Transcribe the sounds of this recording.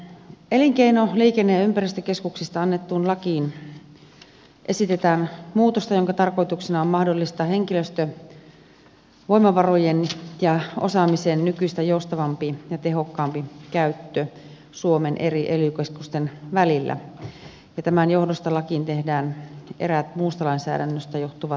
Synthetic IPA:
eliŋkeinoliːkenːeympærist̪økeskuksist̪ɑɑnːet̪ːuːnlɑkiːn | ʔesit̪et̪æːnmuːt̪ost̪ɑjoŋkɑt̪ɑrkojt̪uksinɑommɑhdolːist̪ɑɦe̞ŋkiløst̪ø | ʋo̞imɑʋɑrojenjɑosɑmisennykyst̪æjoust̪ɑʋɑmpijɑt̪eɦokːɑːmpikæyt̪ːø | suomenʔeriʔelykeskust̪enʋælilːæ̰ | jɑt̪æmænjohdost̪ɑlɑkint̪ehdæːnʔḛræt̪muːst̪ɑlɑinsæ̰ːdænːøst̪æjoht̪uʋɑ

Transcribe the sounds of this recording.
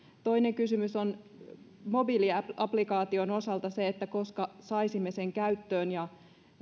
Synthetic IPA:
t̪o̞ineŋkysymyson | mo̞biliɑplikɑːt̪iono̞sɑlt̪ɑseet̪ːæko̞skɑsɑisimːeseŋkæyt̪ːøːnjɑ

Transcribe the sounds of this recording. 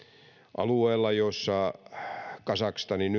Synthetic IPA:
ʔɑ̰lueːlːɑjosːɑ | kɑsɑkst̪ɑniny

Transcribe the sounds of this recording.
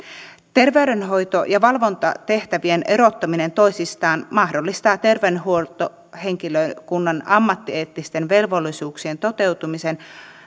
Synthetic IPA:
t̪e̞rʋeydenɦo̞jt̪o̞jɑʋɑlʋo̞nt̪ɑ̰t̪e̞ht̪æʋienʔe̞ɾo̞t̪ːɑmine̞nt̪o̞isist̪ɑːnmɑhdolːist̪ɑːt̪e̞rʋenɦuolt̪o | he̞ŋkiløkunːɑnɑmːɑt̪ːieːt̪ːist̪e̞nʋe̞lʋo̞lːisuːksie̞nt̪o̞t̪e̞wt̪umisen

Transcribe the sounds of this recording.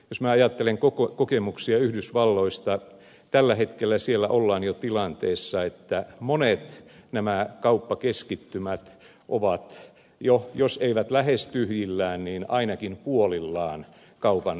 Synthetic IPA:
josmæːɑjɑt̪ːeleŋkokokokemuksiɑyhdysʋɑlːoist̪ɑ | t̪ælːæhet̪kelːæsielːæʔolːɑːnjot̪ilɑnt̪eːsːɑet̪ːæmonet̪næmækɑupːɑkeskit̪ːymæt̪ | ʔoʋɑt̪ | jojoseiʋæt̪læhest̪yhjilːæːnniːnɑ̰inɑkimpuolilːɑːn | kɑupɑn

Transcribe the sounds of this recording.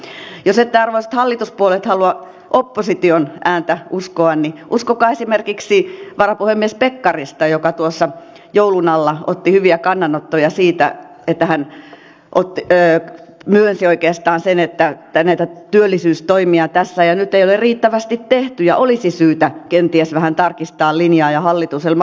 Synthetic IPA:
joset̪ːeɑrʋoisɑt̪hɑlːit̪uspuolet̪hɑluɑ | ʔopːosit̪ionʔæːnt̪æʔuskoɑnniʔuskokɑːesimerkiksiʋɑrɑpuhemːiespekːɑrist̪ɑjokɑt̪uosːɑ | joulunɑlːɑʔo̰t̪ːihyʋiækɑnːɑnot̪ːojɑsiːt̪æ̰ | et̪ːæhæn | ʔot̪ːiːmyønsioikeːst̪ɑːnsenet̪ːæt̪ːænæit̪æt̪yølːisyːst̪oimiɑt̪æsːæjɑnyt̪ːeiolerriːt̪ːæʋæst̪it̪t̪eht̪yjɑ̰ʔolisisyːt̪ækent̪iæsʋæhænt̪ɑrkist̪ɑːllinjɑːjɑhɑlːit̪uselm

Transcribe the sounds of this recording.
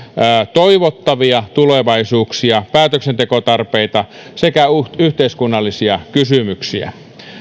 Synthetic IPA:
t̪oiʋot̪ːɑʋiɑt̪uleʋɑisuːksiɑpæːt̪øksent̪ekot̪ɑrpeit̪ɑ | sekæuyht̪eiskunːɑlːisiɑkysymyksiæ̰

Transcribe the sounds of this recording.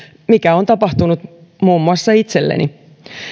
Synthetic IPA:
mikæo̞nt̪ɑpɑht̪unut̪ | muːmːuɑsːɑit̪se̞lːḛnʔḭ

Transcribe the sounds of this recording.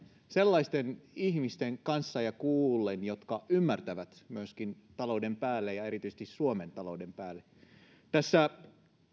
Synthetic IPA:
selːɑist̪enihmist̪eŋkɑnsːɑjɑkuːlːenjot̪kɑʔymːært̪æʋæt̪myøskin | t̪ɑloudempæːlːejɑe̞ɾit̪yisĕ̥t̪issuoment̪ɑlo̞ude̞mpæːlːe | t̪æsːæ

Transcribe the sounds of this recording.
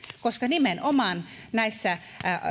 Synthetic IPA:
koskɑnimenʔomɑnnæisːæ

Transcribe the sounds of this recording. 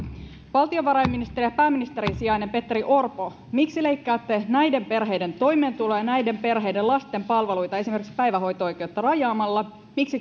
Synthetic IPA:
ʋɑlt̪io̞ʋɑɾɑjmːinist̪erijæpæːmːinist̪e̞ɾinsiɑjnempe̞t̪ːriʔo̞rpo̞ | miksile̞ijkːæːt̪ːe̞næjde̞mpe̞rɦe̞jde̞nt̪o̞jme̞ːnt̪ulojɑnæjde̞mpe̞rɦe̞jdelɑst̪e̞mpɑlʋe̞lujt̪ɑe̞sime̞rkikspæjʋæɦo̞jt̪oo̞jke̞ut̪ːɑrɑjɑːmɑlːɑ | miksi

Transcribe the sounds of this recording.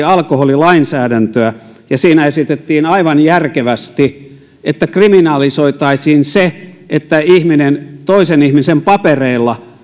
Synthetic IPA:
ɑlkoholilɑinsæːdænt̪øæ | jɑsiːnæesit̪et̪ːiːnɑiʋɑnjærkeʋæst̪i | ʔet̪ːækriminɑlisoit̪ɑisiːnse | et̪ːæihminent̪oisenihmisempɑpereilːɑ

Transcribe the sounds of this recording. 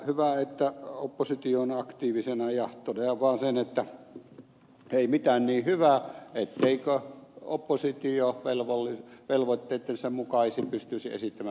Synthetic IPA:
hyʋæet̪ːæopːosit̪ioːnɑkt̪iːʋisenɑjɑht̪ˑonɑjɑʋɑːnsenet̪ːæ | eˑimit̪æːnniːhyʋæet̪ːeikøo̰pːosit̪ioʋelʋolːiʋelʋot̪ːeˑit̪ːensemmukɑisipyst̪ysiḛsit̪ːæmæ

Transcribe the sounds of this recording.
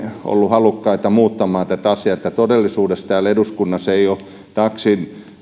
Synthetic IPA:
ʔo̰lːuhɑlukːɑit̪ɑmuːt̪ːɑmɑːt̪æt̪ɑsiɑet̪ːæt̪odelːisuːdest̪æːleduskunːɑseio | t̪ɑksin

